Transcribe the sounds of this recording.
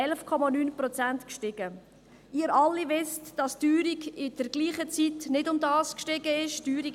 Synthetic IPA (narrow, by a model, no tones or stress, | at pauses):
ɛlfkʰɔmɑnyːnprɔt͡sæntkʃtɪɡ̥ə | ɪːəɾɑlːiʋɪstd̥ɑstyːɾiɡɪd̥əɾɡ̥liːχət͡sitnɪdʊmdɑːskʃtɪɡəɪʃtyːɾi